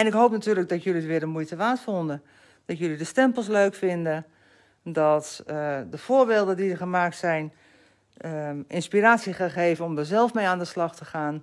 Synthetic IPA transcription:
ɛnɪkɦowpnatyːrləɡ̚dɔtjøliətʋɪəɾənmujtəʋaːtfondə | d̥ɔtjølidəstɛmpəl̩ˠsløɥkfɪndə | dɔtdəfoːrbeːlˠdədidərɣəmaːk̚tsɛjn | ʔɪnspiraːsjiəxaxeːvənɔmdəzɛlˠfmejaːndəslɑxtəxaːn

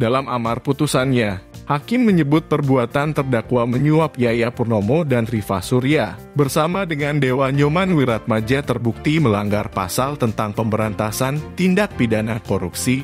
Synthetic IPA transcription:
dalamamarput̪usanɲahakɪmːəɲəbʊt̪̚pərbuat̪ant̪ərdakwaməɲuapijajapurnomodanrifasuɾia | bərsamadəŋandewaɲomanwiɾat̪̚mad͡ʒat̪ərbuk̚t̪iməlaŋɡarpa̰salt̪ənt̪aŋpəmbəɾant̪asant̪indak̚pidanakoɾupsi

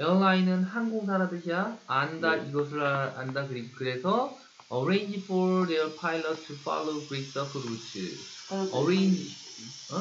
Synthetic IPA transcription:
jʌɭːainɯnhanɡoŋsʰaɾadɯɕʰiaandaiɡʌs̬ʰɯɾaandakɯɾiɡukɯɾe̞sʰʌ | ʌɾejɲd͡ʑifʰɔɾdeʌɭpʰailʌtʰːɯfʰa̰loɡɾik̚s͈ʌkʰɯɾutʰɯ̰ | ʌɾend͡ʑ

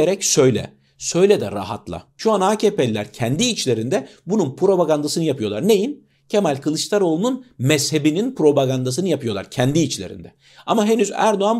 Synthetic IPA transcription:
eɾɛcsø̞jlʲɛ̰ | sø̞jlʲɛd̪ɛ̰ɾa̰ɦa̰t̪lˠa̰ʃuanaːcʰepelʲːæɾcʰɛnd̪iːt͡ʃlʲe̞ɾind̪ɛbununpʰɾo̞baɡand̪asɯnɯjapʰɯjolˠaɾne̞jin | cʰemælʲkʰɯlˠɯʃt̪ʰˠaɾo̞lˠununmɛshe̞bininpɾo̞baɡand̪as̬ɯnɯjapʰɯjo̞lˠa̰ɾcʰɛnd̪iːt͡ʃlʲeɾḭnd̪ɛ | amaɦe̞nyzæ̰ɾd̪oan

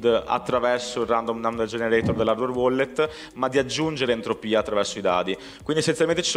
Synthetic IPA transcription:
d̪a̰t̪ːɾavɛrsoirand̪omd̪amd̪eld͡ʒeneɾɛt̪ord̪elːaɾd̪orwɔlːet̪ː | mad̪ːiad͡ʒːund͡ʒeɾeːnt̪ɾopiːat̪ːɾavɛrsoid̪a̰ːt̪i | kwind̪iesenjalment̪e̥t͡ʃi̥s

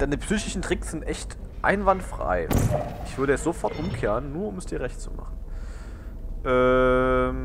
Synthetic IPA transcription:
d̥aɪnəpsyːçɪʃn̩tʁ̥ɪksz̥ɪntʔɛçt | ʔa̰ɪnvantfʁ̥a̰ɪʔɪçv̥ʏɐɾəɛt͡sz̥ofɔɐtʔʊmkʰeːʁənːuːɐʊmɛsd̥iːɐʁɛçtt͡sṵma̰χn̩ | ʔɛːm

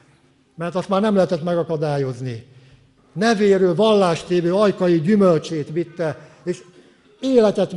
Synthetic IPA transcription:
mɛrt̪ɒst̪maːrnɛmlɛɦɛt̪ɛt̪mɛɡɒkɒd̪aːjo̞zni | nɛveːɾøːlvɒlːaːʃt̪eːvøːɒjkɒjiɟymølt͡ʃeːt̪ʋit̪ːɛ | eːʃ | eːlɛt̪ɛt̪

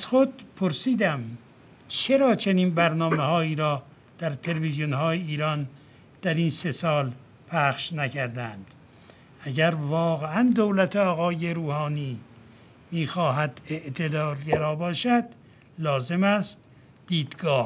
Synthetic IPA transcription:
æz̥xod̪pʰoɾsiːd̪æm | t͡ʃʰe̞ɾɒːt͡ʃʰeniːnbæɾnɒːmehɒːiːɾɒː | d̪̥æɾt̪ʰelevizjonhɒːjeiːɾɒːn | d̪̥æɾinse̞sɒːl | pʰæχʃnækʰæɾd̪ænd̪̥ | æɟæɾvɒːɣeænd̪owlæt̪ʰeɒːɣɒːje̞ɾuːhɒːniː | miːxɒːɦæd̪eʔt̪ʰe̞d̪ɒːɾɟæɾɒːbɒːʃæd̪̥ | lɒːze̞mæst̪ | d̪̥iːd̪ɡɒːh

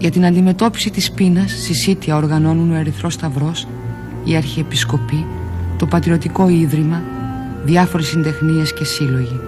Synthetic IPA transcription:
ʝɐt̪inɐnd̪ime̞t̪o̞pi̥sit̪ispinɐsːisit̪iɐo̞ɾɣɐno̞nuno̞e̞ɾiθɾo̞st̪ɐvɾo̞s | iɐɾçiepisko̞pi | t̪o̞pɐt̪ɾio̞t̪iko̞iðɾimɐ | ðiɐfo̞ɾesind̪e̞xnie̞sce̞silo̞ʝi

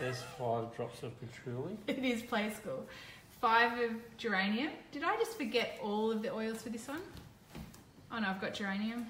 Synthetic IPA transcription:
ɨz̥faɪvdɹɑpsʌvpʰɨtʰɹ̥ʉlˠiɪɾɪz̥pʰl̥eɪskulˠ | faɪvʌd͡ʒə˞ẽɪ̃niɨ̃md̥ɨɾaɪd͡ʒʌstfə˞ɡɛɾɔlˠʌvðiʔɔɪlˠz̥fə˞ðɪsʌ̃n | ʔoʊnoʊaɪvɡɑt̚d̥ʒ̥ə˞ẽɪ̃niɨ̃m

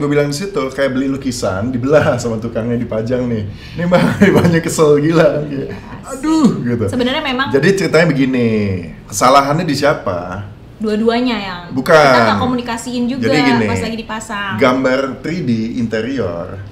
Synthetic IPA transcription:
ɡuabilaŋdisit̪ukajaʔbəlilukisa̰ndibəlasamat̪ukaŋɲadipad͡ʒaŋnɪh | nemaŋdibaɲakːəsəlɡila | aduhɡit̪usəbənərɲamemaŋd͡ʒadit͡ʃəɾit̪aɲabəɡini | kə̥salaɦanɲadisiapa̰ | duaduaɲajaŋbukaankomunikasiɪnd͡ʒuɡd͡ʒadiɡinɪaslaɡidipasaɡambart̪ɾidiːnt̪eɾiɔ̰r

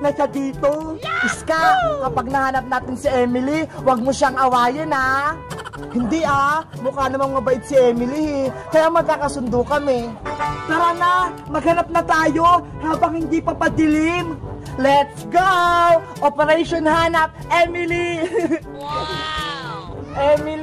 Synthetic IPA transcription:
nɐʃad̪iːt̪oʔɪskakɐpaɡ̚nɐhaːnɐp̚naːt̪ɪnsɪʔɛmɪliwɐɡ̚moʃaŋʔɐwaːjɐna | hɪnd̪iʔamʊkanɐmanmɐbɐʔɪd̪̚sɪʔɛːmɪlihɛkɐjamɐɡ̚kːakɐsʊnd̪okɐmɛpaːɾana | mɐɡ̚hɐnap̚nɐt̪aːjo̞ | haːbɐŋhɪnd̪ipɐpɐd̪ɪlɪm | lɛt̪sɡow | ʔopɛɾɛjʃonhaːnɐp̚ʔɛmɪli | ʔɛmɪ

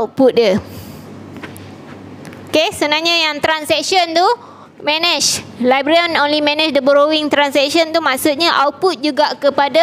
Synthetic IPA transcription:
aput̪̚jə | okesənaɲãjaŋt̪ɾansɛkʃənt̪u | mɛ̃nɛt͡ʃlajbɾiənonlimɛnɛt͡ʃdəbəɾowiŋt̪ɾansɛkʃənt̪umãksut̪̚ɲaʔaw̚put̪̚d͡ʒuɡaʔkəpada

